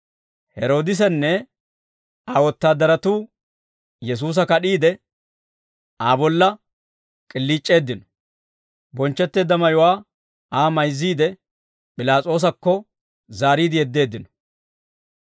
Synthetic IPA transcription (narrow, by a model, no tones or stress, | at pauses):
hɛɾo̞ːd̪ɪs̬ɛnːɛ | aːwɔt̪ːaːd̪ːɐɾɐt̪uː | jɛs̬uːs̬ɐkɐɗiːd̪ɛ | aːbɔlːɐ | kʼɪlːiːt͡ʃʼːe̞ːd̪ːɪnɔ̥ | bɔnt͡ʃːɛt̪ːe̞ːd̪ːɐmɐjʊwaː | ʔaːmɐjzːiːd̪ɛ | pʼɪlaːt͡sʼo̞ːs̬ɐkːɔ | zaːɾiːd̪ɪjɛd̪ːe̞ːd̪ːɪnɔ̥